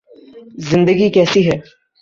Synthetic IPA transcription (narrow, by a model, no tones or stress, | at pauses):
zɪ̃nd̪əɡikɛːsiɦɛː